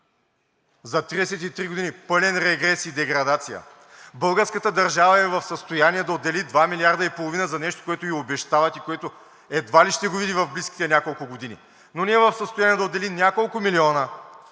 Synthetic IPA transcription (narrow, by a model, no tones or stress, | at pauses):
zɐt̪ɾiɛsɛt̪it̪ɾiɡod̪inipɤlʲɛnɾɛɡɾɛsid̪ɛɡɾɐd̪at̪sijə̰ | bɤlˠɡəɾskət̪əd̪ɐɾʒavɐɛvɐfsəst̪ojaniɛd̪ɐod̪ːɛlid̪vamiliaɾd̪ɐipolˠovinəzɐnɛʃt̪o̥koɛt̪ʊiobɛʃt̪avɐt̪ikoɛt̪o | ɛd̪valiʃt̪ɛɡovid̪ivɐvbliskʲi̥t̪ɛnʲjakolˠkʊɡod̪inḭ | nonɛɛvɐfsəst̪ojanijɛd̪ɐod̪ːɛlinʲjakolˠkʊmiliɔnə